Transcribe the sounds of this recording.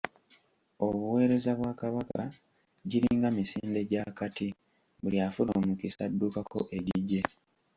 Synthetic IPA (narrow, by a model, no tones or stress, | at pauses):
oβuwe̞ːɾe̞zaβwaːkaβaka | ɟiɾiːŋɡamisiːnde̞ɟakati | βuliafuloːmukisadːukakʰo̞̰ʔe̞ɟiɟe